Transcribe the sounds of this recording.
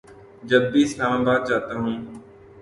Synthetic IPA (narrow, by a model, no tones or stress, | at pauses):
d͡ʒəbːiːɪslaːmaːbaːd̪̚d͡ʒaːt̪aːɦũː